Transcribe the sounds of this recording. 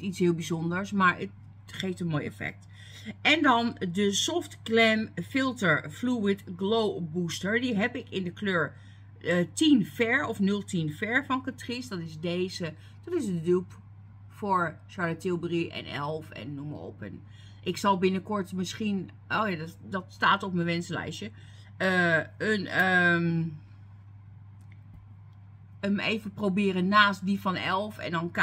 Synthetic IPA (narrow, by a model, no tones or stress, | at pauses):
itshɪːlˠbizondəɹsmaɹə̰t | χeːftənmoːjɛ̰fɛ̰k̚t | ɛndɔndəsɔftklɛmfɪlˠtəɹfluwɪtɡloːbustəɹdiɦɛpɪkɪndəkʰløːɹ | tinfɛɹɔfnɵlˠtʰinfɛɹfɔnkatrisdɔtɪsdeːzə | d̥ɔtɪsdøp | fʊːɹʃaɹlatɪlˠbriʔɛ̰nɛ̰lˠfɛ̰nːumə̰ɔ̰pə̰n | ʔɪksɑlˠbɪnəkɔɹtmɪsχin | ʔoːjaddɑtstaːtɔpmənʋɛnsəlɛ̰jʃə | əənə | əmḛːvəprowbɪːrənnaːst̚difɑnɛlˠfɛ̰ndɑnk